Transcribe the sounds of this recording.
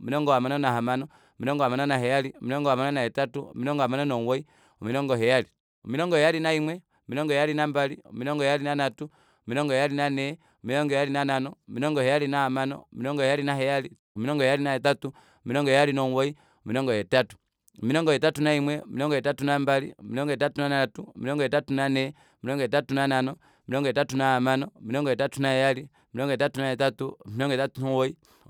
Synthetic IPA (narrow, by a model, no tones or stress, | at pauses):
umiɾɔŋɡɔhamanɔnaɦamanɔ | umiɾɔŋɡɔhamanɔnaɦɛjaliumiɾɔŋɡɔhamanɔnaɛtatumiɾɔŋɡɔamanɔnɔŋwɔi | umiɾɔŋɡɔɦɛjali | umiɾɔŋɡɔjɛjalinaimwɛ | umiɾɔŋɡɔjɛjalinambaliumiɾɔŋɡɔjɛjalinanatu | umiɾɔŋɡɔjɛjalinanɛ | umiɾɔŋɡɔɛjalinananɔumiɾɔŋɡɔhɛjalinahamanɔ̰miɾɔŋɡɔjɛjalinaɦɛjali | miɾɔŋɡɔjɛjalinahɛtatu | miɾɔŋɡɔjjalinɔwɔi | miɾɔŋɡɔjɛtatu̥ | miɾɔŋɡɔjɛtatunaimwɛmiɔŋɡɔjɛtatunambalḭmiɾɔŋɡɔjɛtatunanatumiɾɔŋɡɔjɛtatunanɛ | miɾɔŋɡɔjɛtatunananɔ | miɾɔŋɡjɛtatunaamanɔmiɾɔŋɡɔjɛtatunajɛjali | miɾɔŋɡɔɛtatunahɛtatumiɾɔŋɡɔɛtatunɔwɔi